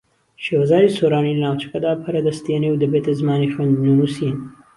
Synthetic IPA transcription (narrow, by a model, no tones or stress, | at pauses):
ʃeːwɐzaːjisoɾaːnilɐnaːwt͡ʃɐ̥kɐd̪aːpʰɐɾɐd̪ɐst̪eːniwd̪ɐbeːt̪ɐzmaːnixwɐnd̪nunusin